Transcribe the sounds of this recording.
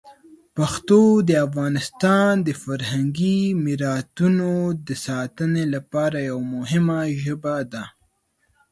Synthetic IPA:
paxt̪od̪əafɣɑnɪst̪ɑnd̪əfaɾhaŋɡimiɾɑt̪unod̪əsɑt̪ənelapɑɾajawmʊɦɪmaʒəbad̪a

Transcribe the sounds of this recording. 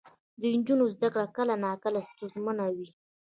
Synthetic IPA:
d̪ənd͡ʒunozd̪akɽakəlanakəlast̪ʊzmanawi

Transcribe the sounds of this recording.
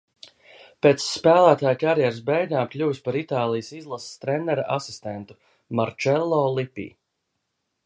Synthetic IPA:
peːt̪sːpæːlˠæːt̪aːjkaɾjɛɾs̬bɛjɡaːmklʲuwspaɾit̪aːlˠijəsizlˠasst̪ɾɛnːɛɾaʔasi̥st̪ɛnt̪u̥ | maɾt͡ʃɛlˠːɔːlˠipḭː

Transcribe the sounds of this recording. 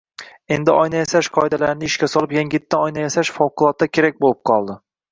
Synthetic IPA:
e̞nd̪ɪɒjnajasaʃqʰɒɪd̪alaɾnɪɪʃkʲasɒlˠɪpjaŋɡʲɪt̪ːaɒjnajasaʃfɒwqʊlˠɒt̪̚ːakʲʰe̞ɾak̚ʲbolˠɪp̚qʰɒlˠd̪ɪ

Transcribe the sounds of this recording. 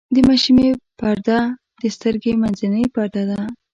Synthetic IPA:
d̪əmaʃimepaɾd̪a | d̪əst̪əɾɡemanzanəjpaɾd̪ad̪a

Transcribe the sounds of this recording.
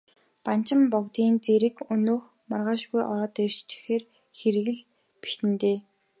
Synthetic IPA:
pan̥t͡ɕɪ̆mpɔkt̪iːnt͡seɾɘ̆kɵnoːx | marʁaːʃɣujʔɔɾɔːt̪er̥t͡ɕt͡ɕɪ̥̆xeːr | xeɾɘ̆ɣɘ̆ɮ | pi̥ʃt̪ɘ̆nt̪eː

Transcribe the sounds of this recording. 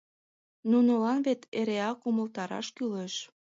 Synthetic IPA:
nunolɑnβet̪eɾeɑkuməlt̪ɑɾɑ̰ʃkyleʃ

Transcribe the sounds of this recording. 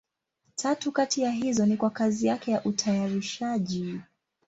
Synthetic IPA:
tʰatukatijaɦizɔnikwakazijakɛjaʔutʰajaɾiʃaʄi

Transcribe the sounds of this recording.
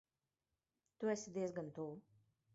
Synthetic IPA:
t̪uɛsʲid̪iɛzɡant̪uː

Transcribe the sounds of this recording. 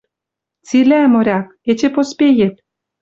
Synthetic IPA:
t͡silʲæmoɾʲɑk̚ | et͡ɕĕpospʲejĕt̪̚

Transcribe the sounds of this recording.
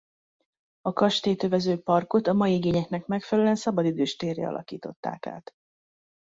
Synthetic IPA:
ɒkɒʃt̪eːt̪øvɛzøːpɒrko̞t̪ɒmɒjiiɡeːɲɛknɛkmɛkfɛllyɛnsɒbɒd̪id̪øːʃt̪eːrḛɒ̰lɒ̰kḭːt̪o̞t̪ːa̰ːka̰ːt̪

